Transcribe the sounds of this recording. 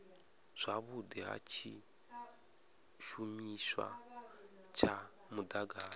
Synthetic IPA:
z̥ʷaβudiɦa̰t͡ʃʰi | ʃumiswa̰ | t͡ʃʰa | mudaɡaː

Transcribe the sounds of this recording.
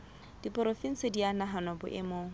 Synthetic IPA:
d̥ipʼʊɾofin̩sɪdianaɦanɔbʊ̰ʔɪ̰moː

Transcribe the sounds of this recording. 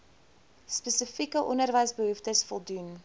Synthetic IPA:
spɛsəfikəʔɔnərvəjsbəɦuftəsfɔlˠdun

